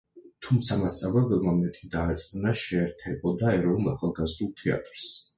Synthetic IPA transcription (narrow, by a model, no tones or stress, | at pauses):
t̪ʰumt̪sʰamast̪sʼavɛbɛlˠmamɛt̪ʼid̪aːt̪sʼqʼnaʃɛːɾt̪ʰɛbɔd̪aɛɾɔnulˠaχalˠɡazd̪ulˠt̪ʰɛa̰t̪ʼɾs